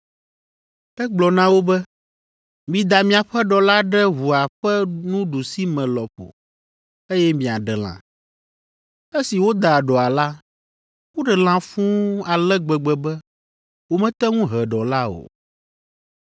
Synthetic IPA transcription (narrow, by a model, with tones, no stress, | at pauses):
ɛ˦ɡ͡blɔ˨nã˦wo˦bɛ˦ | mĩ˨d̪a˨mĩ˨a˨ɸɛ˦ɖɔ˨la˦ɖɛ˦ɦu˨a˨ɸɛ˦nũ˦ɖu˨si˦mɛ̃˨lɔ˨ɸo̰˨ | e˦jɛ˦mĩ˨a˨ɖɛ˨l̃ã̰˨ | e˦si˨wo˦d̪a˨ɖɔ˨a˨la˦ | wo˦ɖɛ˨l̃ã˨fũ˦a˨lɛ˦ɡ͡bɛ˨ɡ͡bɛ˨bɛ˦ | wo˨mɛ̃˦t̪ɛ˦ŋũ˦ɦɛ˨ɖɔ˨la˦o̰˨